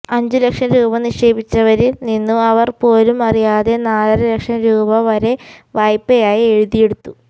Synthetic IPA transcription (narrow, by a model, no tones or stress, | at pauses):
ɐɲd͡ʑulekʂɐmɾuːbɐniʂe̞ːbit͡ɕːɐʋɐɾilninːuɐʋɐrpo̞ːlumɐrijaːðe̞naːlɐɾɐlekʂɐmɾuːbɐʋɐɾe̞ʋɐjpːejaːjieɻuðije̞ɽut̪ːu